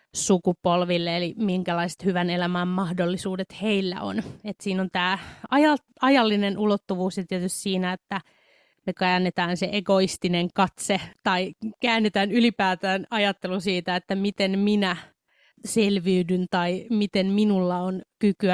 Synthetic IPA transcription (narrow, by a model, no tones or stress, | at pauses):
sukupolʋilːeelimiŋkælɑise̥t̪hyʋænelæmæːmmɑhdolːisuːdet̪heilːæ̰o̰net̪siːnont̪æːɑjɑ | ɑjɑlːinenulot̪ːuʋuːsjɑt̪iet̪ysʲt̪siːnæet̪ːæ | mekæːnːet̪æːnseʔeɡoist̪ineŋkɑt̪set̪ɑikæːnːet̪æːnylipæːt̪æːnɑjɑt̪ːelusiːt̪æet̪ːæmit̪enminæ | selʋiydynt̪ɑimit̪enminulːɑonkykyæ